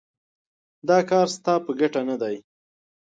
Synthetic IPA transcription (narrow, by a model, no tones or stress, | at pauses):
d̪ɑkɑɾst̪ɑpəɡaʈanad̪aj